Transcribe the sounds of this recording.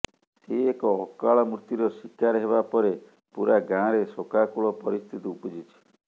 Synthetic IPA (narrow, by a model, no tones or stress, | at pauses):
seekɔɔkaɭɔmuɾt̪iɾɔsikaɾɦeβapɔɾe | puɾaɡãɾesokakuɭɔpɔɾist̪ʰit̪iupɔd͡ʒit͡ʃʰi̥